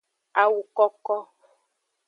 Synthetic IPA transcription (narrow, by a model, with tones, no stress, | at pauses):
a˨wu˨kɔ˦kɔ˦